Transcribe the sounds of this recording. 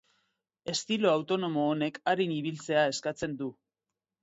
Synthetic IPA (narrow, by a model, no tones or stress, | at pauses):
e̞st̪ilo̞awt̪o̞no̞mo̞ːne̞kaɾiniβ̞ilt͡se̞ae̞skat͡se̞nd̪u